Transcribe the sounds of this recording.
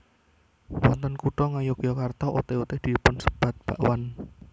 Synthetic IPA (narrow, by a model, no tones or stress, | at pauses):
wɔnt̪ɔnkuɖɔŋajokijɔkart̪ɔʔot̪eut̪ɪhd̪̥i̤pʊnsə̥b̥a̤t̪̚b̥aʔwan